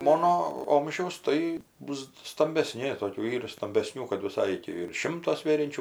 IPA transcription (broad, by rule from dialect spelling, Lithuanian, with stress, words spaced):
ˈmoːnoː ˈoːmʲʒʲɛʊs ˈtɐɪ ˈbʊs stɐmʲbʲɛˈsʲnʲɪ ˈtoːkʲuː ˈiːrɐ stɐmʲbʲɛˈsʲnʲuː kɐt ʋʲɪˈsɐɪ ɪr ˈtʲɪ ʋʲɪrʃ ˈʃʲɪmtoː ˈsʲʋʲeːrʲɛnʲt͡ʃʲʊ